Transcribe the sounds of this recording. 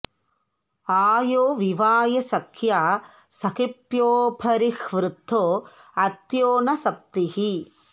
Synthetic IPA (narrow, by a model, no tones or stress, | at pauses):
aːjoːʋiʋaːjɐsɐkʰjaː | sɐkipjoːpʰɐɾixʋɾut̪ːoːɐt̪joːnɐsɐp̚t̪ihi